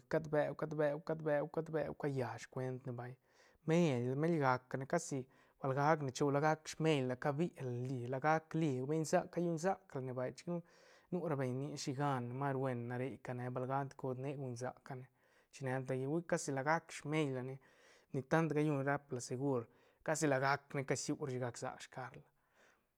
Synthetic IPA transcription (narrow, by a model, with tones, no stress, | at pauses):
ka˦d̪be˧wka˦d̪be˧wka˦d̪be˧wka˦d̪be˧wka˧ja˨ʃkʷe˧nt̪ne˧ba˧j | me˦la˨me˦lɡa˨kːa˨ne˧ka˦si˧ | b̥a˧˨lɡa˦kne˨t͡ʃo˧wla˧ɡa˦kʂme˦jlla˨ka˦bi˦ʔla˨li˨la˧ɡa˦kli˧be˦ɲza˦kːa˦ju˦nza˦kla˨ne˧ba˨jt͡ʃi̥˧˦knu˦ | nu˦ɾa˧be˨ɲni˧ʃi˧ɡa˦n˨ma˦ɾwe˧nːa˨ɾe˧jka˧ne˧ba˧lɡa˦nd̪ko˧d̪ne˦ɡu˧nza̰˨ka˧ne˨ | t͡ʃi˧ne˧nd̪a˧ja˧wi˦ka˦si˧la˨ɡa˦kʂme˦jla˨ne˧ | ni˧t̪a˦nt̪ɡa˦ju˧n˧ɾa˦pla˨se˧ɡu˦˧ɾ | ka˦si˧la˨ɡa˧kne˧ka˦sju˦ɾʃi˧ɡa˧kza̰˨kʂka˧ɾla˨